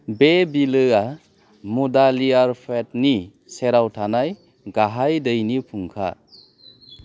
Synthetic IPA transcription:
bebilɯa | mudaliaɾpʰet̚ni | seɾawtʰanaj | ɡaɦajdɯjnipʰuŋkʰa̰

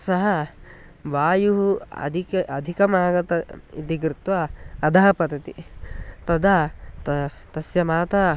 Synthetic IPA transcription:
sɐɦɐ | ʋaːjuɦuɐ̰d̪ʱikɐd̪ʱikɐmaːɡɐt̪ɐḭt̪iɡɾɪt̪ʋaːd̪ʱaɦɐpɐd̪ɐt̪it̪ɐd̪at̪ɐ | t̪ɐsjɐmaːt̪aː

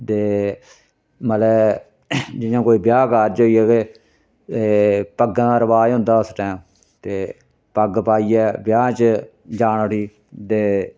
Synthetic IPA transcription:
t̪eː | məlɛː | d͡ʒɪjãːkoːiːbjaːkaɾd͡ʒoːiːɛːɡeː | eːpəɡd̪aːɾəʋaːd͡ʒɦʊ̃nd̪aːʊsʈɛːm | t̪eː | pəɡpaːiːɛːbjaːt͡ʃ | d͡ʒaːnʈʰiː | t̪eː

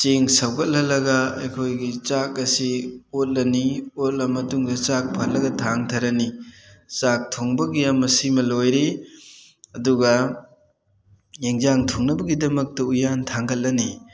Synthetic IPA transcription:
t͡ʃeŋsɐwɡɐt̚lɐlɐɡɐḛkʰojɡit͡ʃakɐsiot̚lɐniot̚lɐmɐtuŋdɐt͡ʃak̚pʰɐɾlɐɡɐtʰaŋtʰɐɾɐnit͡ʃak̚tʰoŋbɐɡijamːɐsimɐlojɾe | ɐduɡɐ | jeŋzaŋtʰoŋnɐbɐɡidɐmɐk̚tɐujantʰaŋɡɐt̚lɐni

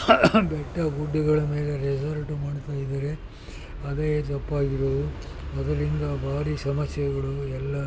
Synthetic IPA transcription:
bɛʈːɐɡuɖːuɡɐɭɐmeːle̞ɾɛd͡ʒɐɾʈumaːɽt̪aːjid̪ɐɾe̞ | ɐd̪eːt̪ɐpːaːɡiɾoːd̪u | ɐd̪ɐɾind̪ɐbʱaːɾisɐmɐsjɐɐɡɐɭuɛlːɐ

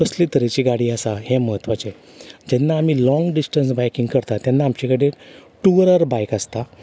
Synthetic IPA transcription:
əslit̪əɾet͡ɕiɡaɽiːasaɦeməɦət̪ʋat͡ɕe | d͡ʑɛnːaːmiːlɔ̃ŋɡɖisʈənsbajkiŋɡkəɾt̪at̪janːaːmt͡ɕikəɽeʈuəɾəɾbajkast̪a

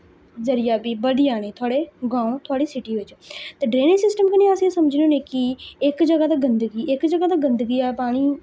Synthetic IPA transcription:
zɐɾijabibɐd̪ijaːñẽt̪ʰʊaːɽeɡãːõt̪ʰʊaːɽisɪʈiʋɪt͡ʃt̪ɐɖɾeːnɪ̃sɪsʈəmkɐnẽɐsĩsɐmd͡ʒʱɪnonẽkiekd͡ʒɐɡat̪d̪aɡɐ̃nd̪əɡiekd͡ʒɐɡad̪aɡɐ̃nd̪əɡiapaːɽ̃i

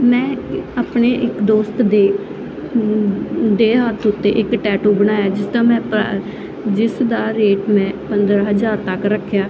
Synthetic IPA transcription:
mɛ̃ːaːpɳeːʔɪkd̪oːst̪d̪eː | d̪eːɦət̪ʰʊt̪ːḛːʔɪkʈɛːʈuːbəñaːjaːd͡ʒɪst̪ãːmɛ̃ːpː | d͡ʒɪsd̪aːɾeːʈmɛ̃ːpənd̪ɾaːɦəzaːɾt̪əkɾəkʰːjaː

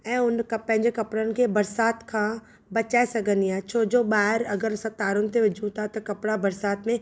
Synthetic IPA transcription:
ɛ̃ːʊnkɐpɛ̃ɦɪ̃ɲd͡ʑekɐpɽənɪ̆kʰeːbɐɾsaːt̪kʰãː | bɐt͡ɕaːesɐɡʱə̃nd̪iaːɦet͡ɕʰoːd͡ʑoːɓaːɦɪɾɐɡəɾsɐt̪aːɾʊnɪ̆t̪ʰeʋɪd͡ʑʱũt̪ʰat̪ɐkɐpɽabɐɾsaːt̪mẽ

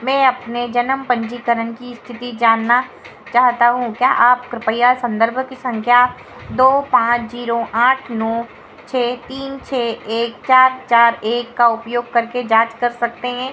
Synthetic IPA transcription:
mɛ̃ːɐpned͡ʒɐnəmpɐ̃ɲd͡ʒikəɾənkist̪ʰɪt̪id͡ʒaːnːa | t͡ʃaːɦt̪aɦũkjaːʔaːpkɾɪpəjasɐ̃nd̪əɾbʱkisɐ̃ŋkʰjaː | d̪oːpãːt͡ʃziːɾoʔaːʈʰnɔː | t͡ʃʰɛːt̪iːnt͡ʃʰɛːeːkt͡ʃaːɾt͡ʃaːɾeːkːaʊpjoːɡ̚kɐɾked͡ʒaːt͡ʃkɐɾsɐk̚t̪eɦɛ̃ː

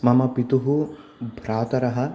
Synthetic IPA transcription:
mɐmɐpit̪uɦu | bʱɾaːt̪ɐɾɐɦɐ̆

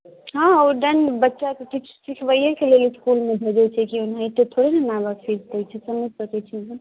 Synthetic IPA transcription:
ɦãəɖənbətːʃakekit͡ʃʰsikʰbəjəkeleliskulmebʱed͡ʒɛt͡ʃʰɛkiunɦait̪ot̪ʰoɽenenabəkpʰiɾt̪ɛjt͡ʃʰɛsəməd͡ʒsəkɛt͡ʃʰinɦə

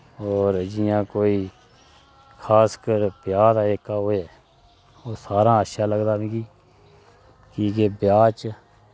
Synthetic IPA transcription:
ɔːɾd͡ʒɪjãːkoːiː | kʰaːskəɾpjaːd̪aːeːkaːɦoːɛː | oːsaːɾãːətʃaːləɡd̪aːʋĩːɡiː | kiːkebjaːt͡ʃ

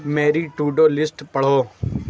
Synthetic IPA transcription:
meːɾiːʈuːɖoːlɪsʈpəɽ̤oː

